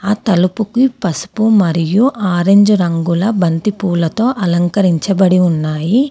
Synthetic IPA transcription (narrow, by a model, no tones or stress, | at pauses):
aːt̪ɐlupukipɐsu̥pumɐɾijuʔaːɾeɲd͡ʒuɾɐŋɡulɐbɐnt̪ipuːlɐt̪o̞ːʔɐlɐŋkɐɾiɲt͡ʃɐbɐɽiunːaːji